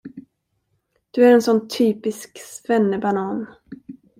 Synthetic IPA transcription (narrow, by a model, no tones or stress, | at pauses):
d̪̥ɵæɾɛnsɔnːt̪ʰːyːpɪsksvɛnːəbanɑːn